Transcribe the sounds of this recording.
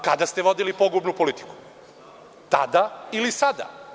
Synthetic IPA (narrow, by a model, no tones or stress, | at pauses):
kad̪ast̪eʋo̞d̪ilipo̞ɡubnupo̞lit̪i̥ku̥ | t̪a̰d̪ailisad̪a̰